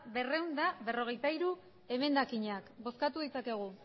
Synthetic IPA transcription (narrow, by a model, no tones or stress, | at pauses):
βe̞re̞wnd̪aβe̞ro̞ɣ̞e̞jt̪aiɾu | e̞me̞nd̪akiɲakbo̞skat̪uð̞it͡sake̞ɣ̞u